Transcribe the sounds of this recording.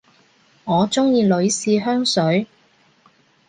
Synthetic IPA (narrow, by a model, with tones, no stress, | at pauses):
ŋɔː˨˧t͡sʊ˥ŋjiː˧lɵ˨˧ɥsiː˨˧ɦœː˥ŋsɵ˨˥ɥ